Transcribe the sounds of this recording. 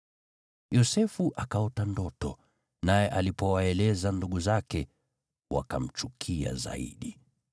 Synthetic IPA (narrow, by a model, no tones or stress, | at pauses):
jɔsɛfuʔakaɔtandɔtɔ | najɛʔalipɔwaɛlɛzanduɠuzakɛ | wa̰kam̩t͡ʃukʰia̰za̰ḭɗi